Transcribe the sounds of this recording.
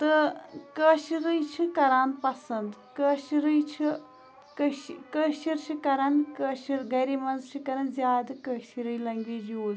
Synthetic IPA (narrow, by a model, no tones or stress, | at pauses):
t̪ɨkəʃiɾɨjt͡ʃʰikɐɾaːnpɐsɐnd̪kəʃiɾɨjt͡ʃʰi | kəʃkəʃiɾt͡ʃʰikɐɾankəʃiɾɡɐɾimɐnzt͡ʃʰɨkɐɾɐnzjaːd̪ɐkəʃiɾɨjlɐŋɡʋeːd͡ʒjoːz